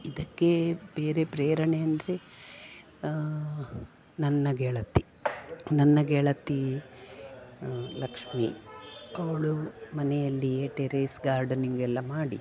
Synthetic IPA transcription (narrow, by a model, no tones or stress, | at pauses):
id̪ɐkːe̞beːɾe̞pɾeːɾɐɳeɐnd̪ɐɾe̞ | nɐnːɐɡɛːɭɐt̪ːi | nɐnːɐɡɛɭɐt̪ːi | lɐkʂmḭ | ɐʋɐɭumɐnejɐlːieːʈeɾesɡaːɾɖɐniŋɡuɛlːɐmaːɽḭ